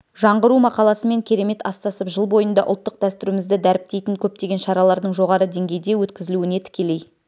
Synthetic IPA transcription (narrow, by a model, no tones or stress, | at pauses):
ʒɑɴʁəɾumɑqɑlˠɑsəme̞ŋkʲʰe̞ɾe̞me̞t̪ɑst̪ɑsəpʒəlˠbo̞jənd̪ɑʔʊlˠt̪ːəq̚d̪æst̪ʏɾɪmɪzd̪ɪd̪æɾɪp̚t̪e̞jt̪ɪŋkʲʰɵp̚t̪e̞ɡʲe̞nʃɑɾɑlˠɑɾd̪əɴʒo̞ʁɑɾəd̪e̞ŋɡʲe̞jd̪e̞wɵt̪kʲɪzɪluɪne̞t̪ʰɪ̥kʲe̞le̞j